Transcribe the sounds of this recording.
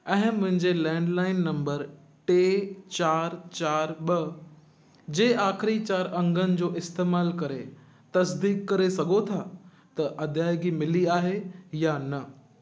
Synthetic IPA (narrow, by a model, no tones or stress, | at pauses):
ɛ̃ːɦɪ̃mʊ̃ɦɪ̃ɲd͡ʑelɛ̃ːɳɖlaːɪnːɐ̃mbəɾ | ʈeːt͡ɕaːɾt͡ɕaːɾɓɐ | d͡ʑeːʔaːxɪɾit͡ɕaːɾɐ̃ŋɡʱənɪ̆d͡ʑoːʔɪst̪eːmaːlkɐɾe | t̪ɐsd̪iːkːɐɾesɐɡʱot̪ʰa | t̪ɐʔɐd̪ʱjaːɪɡimɪliaːɦejanɐ